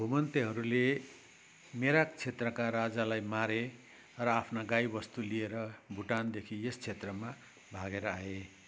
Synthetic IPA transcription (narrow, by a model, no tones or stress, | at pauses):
bʱumʌnt̪eɦʌɾule | meɾakt͡sʰet̪rʌkaɾad͡zalajmaɾe | rʌapʰnaɡajbʌst̪ulieɾʌbʱuʈand̪ekʰiest͡sʰet̪rʌma | bʱaɡeɾʌae